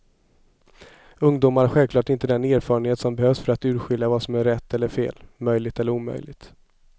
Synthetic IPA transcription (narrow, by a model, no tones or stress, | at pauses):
ɵŋd̪uːmaɾhaɧɛlvklɑːʈɪnt̪əd̪ɛneːɾfɑːɾənheːt̪sɔmbɛhøːfsfœɾat̪ʉ̟ːɾɧɪljavasɔmæɾːɛt̪ʰːɛlːəɾfḛːlmœjlɪɡt̪ɛlːəɾuːmœ̰jlɪ̰ɡt̪